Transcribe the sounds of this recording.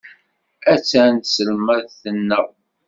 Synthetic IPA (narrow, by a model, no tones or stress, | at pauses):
æt͡sːænt̪səlmæðθənːəw